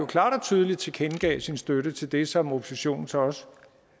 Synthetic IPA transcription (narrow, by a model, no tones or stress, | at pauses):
okʰlɑ̰̈ːɾ̥ɒ̽t͡sʰyð̞ˠəlid̥̚t͡sʰe̝kʰenɡ̥ɛ̰ːsinsd̥øɾət͡sʰe̝ld̥e̝sɒ̽mo̝pʰo̥seɕo̝̰ːn̩t͡sʰe̝ɒ̽s